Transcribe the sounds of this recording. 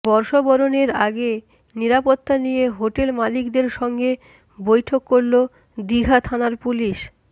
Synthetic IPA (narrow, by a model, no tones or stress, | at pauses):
bɔɾʃobɔɾoneɾa̰ɡe | niɾapot̪ːanijeɦoʈelmalikd̪eɾʃɔŋɡe | bojʈʰokːoɾlo | d̪iɡʱat̪ʰanaɾpuliʃ